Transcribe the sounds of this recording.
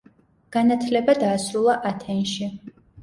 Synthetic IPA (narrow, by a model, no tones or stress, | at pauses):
ɡ̥anat̪ʰlɛbad̪aːsɾulˠaʔat̪ʰɛnʃi